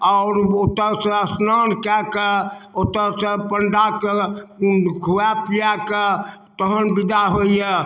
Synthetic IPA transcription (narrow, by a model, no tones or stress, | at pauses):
ɔʊɾot̪əɾsẽəsnankɛkeot̪əɾsẽpəɳɖake | ɡʰʱuapijaket̪əɦənbid̪aɦoijɛ